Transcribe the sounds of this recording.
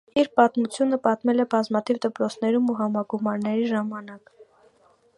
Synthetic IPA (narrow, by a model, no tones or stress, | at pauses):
iɾpɑt̪mut͡sʰjunəpɑt̪mɛlɛbɑzmɑt̪ʰivd̪əpɾɔt͡sʰn̪ɛɾumuɦɑmɑɡumɑɾnɛɾiʒɑmɑnɑk